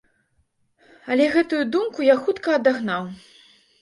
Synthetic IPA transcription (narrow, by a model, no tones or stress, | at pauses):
ɐlʲɛɣɛt̪ujud̪umkujaxut̪kɐːd̪aɣnaw